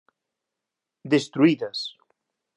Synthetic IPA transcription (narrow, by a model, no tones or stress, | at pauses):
d̪est̪ɾuiðɐs